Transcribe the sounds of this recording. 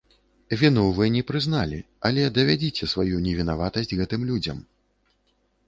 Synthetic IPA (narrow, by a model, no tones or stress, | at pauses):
vʲinɔwvɨnʲɛpɾɨznalʲḭ | ɐlʲɛd̪ɐvʲad͡zʲit͡sʲɛsvajunʲɛvʲin̪avat̪ɐsʲdʲd͡zʲɣɛt̪ɨmlʲud͡zʲɐ̰m